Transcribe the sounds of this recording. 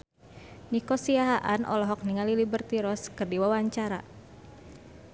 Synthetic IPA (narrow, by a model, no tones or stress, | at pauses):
nikɔsiaɦaʔanʔɔ̰lɔɦɔk̚niŋalilibərt̪iɾɔskɨrdiwawaɲt͡ʃaɾa